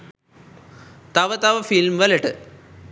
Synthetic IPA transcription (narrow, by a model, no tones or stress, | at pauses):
t̪ɐʋɐt̪ɐʋɐfilmʋɐlɐʈɨ